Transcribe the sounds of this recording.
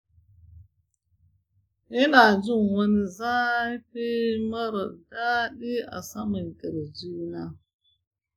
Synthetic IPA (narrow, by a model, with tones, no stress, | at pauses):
i˦na˨d͡ʒu˦˨ŋwa˦ni˦za˦i˦pe˦ma˦ɾə˨da˦ɗi˦a̰˨sa˦mə˨n˨kə˨ɾd͡ʒu˦na˦